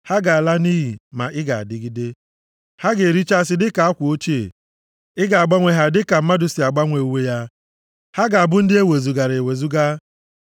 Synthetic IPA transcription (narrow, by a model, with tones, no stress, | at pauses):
ha˦ɡa˨a˨la˦ni˦ɦi˨ma̰˨ʔɪ˦ɡa̰˨a̰˨dɪ˦ɡɪ˦de˦ | ha˦ɡe˨ɾi˦t͡ʃa˦sɪ˦dɪ˦ka˨a˦kʷʊ˨o˦t͡ʃi˦ḛ˨ | ɪ˦ɡa˨a˨ɡ͡ba˦ŋʷe˨ɦa˨dɪ˦ka˨m̩˦ma˦dʊ˨si˨a˨ɡ͡ba˦ŋʷe˨u˨we˦ja˦ | ha˦ɡa˨a˨bʊ˦n̩˦dɪ˦e˦we˨zu˨ɡa˨ɾe˨e˨we˨zu˦ɡa˦